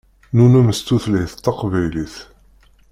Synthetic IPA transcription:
nunæməst̪ːuθlhiθt̪ːɑqvæjliθ

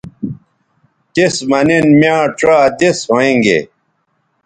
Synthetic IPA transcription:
t̪esmɐnenmjãːʈ͡ʂaːd̪esoĩŋɡḛ

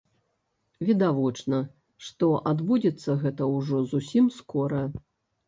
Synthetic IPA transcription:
vʲid̪avɔt͡ʂnɐ | ʂt̪ɔʔad̪bud͡zʲɛt̪sːɐɣɛt̪ɐwʐɔzusʲimskɔɾɐ

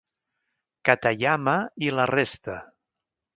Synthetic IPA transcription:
kat̪aʎamailarest̪ə

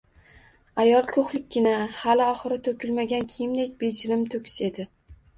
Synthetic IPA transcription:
ajɒlˠkʰoχlɪk̚ʲːɪnahalɪɒχɨɾɪt̪ʰokʲʰɪlmaɡʲankʲʰɪjɪmd̪ek̚ʲbe̞d͡ʒɪɾɪmt̪ʰɵkʲɪ̥se̞d̪ɪ

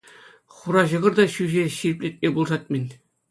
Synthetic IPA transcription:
χuɾɑʑɤ̆ʁɤ̆rd̪ɑɕyʑeɕiɾʲɘpʲlʲet̪̚ʲmʲebulˠsɑt̪̚ʲmʲɘ̆nʲ

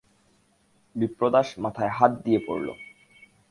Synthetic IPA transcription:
bipɾod̪aʃmat̪ʰaeɦat̪̚d̪iepo̰ɾlo̰

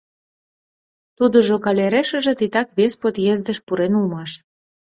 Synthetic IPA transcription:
t̪ud̪ə̆ʒokɑlʲeɾeʃə̆ʒĕt̪it̪ɑkβespot̪jezd̪ə̆ʃpuɾenulmɑʃ

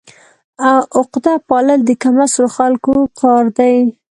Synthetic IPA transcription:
awʔʊqd̪apɑləld̪əkamasloxalkoqʰɑɾd̪aj

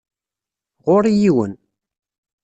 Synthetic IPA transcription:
ʁʊɾijiwə̰n

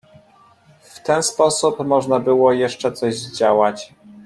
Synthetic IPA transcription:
ft̪ɛnspɔsupmɔʐnabɘwɔjɛʂt͡ʂɛt̪sɔʑd͡ʑawat͡ɕ

